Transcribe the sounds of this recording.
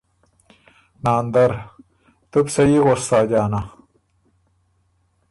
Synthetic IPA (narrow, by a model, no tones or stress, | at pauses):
naːnd̪ɐɾ | t̪upsɐjiɣost̪aːd͡ʑaːna